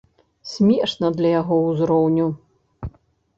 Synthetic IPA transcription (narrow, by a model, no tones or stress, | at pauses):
sʲmʲɛʂnɐd̪lʲɐjaɣɔuzɾɔwnʲu